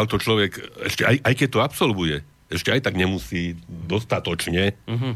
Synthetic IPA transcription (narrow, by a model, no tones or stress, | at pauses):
alt̪ɔt͡ʃlɔʋɛkɛ̰ʃcɛajʔajkɛc̚t̪ɔapsɔlbujɛ | ɛʃcɛajt̪aɡɲɛmusiːd̪ɔst̪at̪ɔt͡ʃɲɛ